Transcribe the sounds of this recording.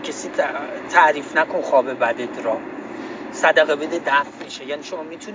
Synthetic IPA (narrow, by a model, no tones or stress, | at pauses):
cʰesiːt̪ʰæʔɾiːfnækʰonxɒːbebæd̪ed̪ɾɒːm | sæd̪æɣebed̪ed̪æftmiʃejæniʃomɒːmiːt̪ʰun